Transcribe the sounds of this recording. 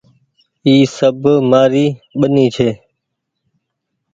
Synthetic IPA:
iːsəbʱmaːɾiːɓəniːt͡ʃʰeː

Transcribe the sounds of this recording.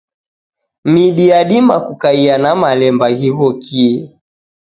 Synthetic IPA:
miɗiaɗimakukaianamalɛmbaɣiɣɔkiɛ

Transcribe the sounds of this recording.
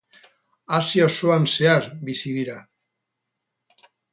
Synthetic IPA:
asioso̞anse̞aɾbisiðiɾa

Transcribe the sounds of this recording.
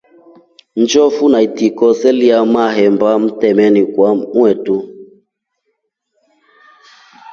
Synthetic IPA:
nd͡ʒɔfunaitikɔsɛliamaɦɛmbam̩tɛmɛnikwamwɛtu

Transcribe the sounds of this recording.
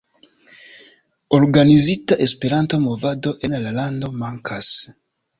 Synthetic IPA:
oɾɡanizitaʔespe̞ɾanto̞mo̞vado̞ʔe̞nlalando̞maŋkʰas

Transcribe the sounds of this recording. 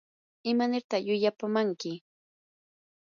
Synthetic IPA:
ɪmanɪɾt̪ɑχjʊʎapamaŋkɪ

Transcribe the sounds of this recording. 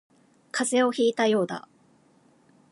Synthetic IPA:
kʰaze̞o̞çiːt̪ajo̞ːd̪a̰

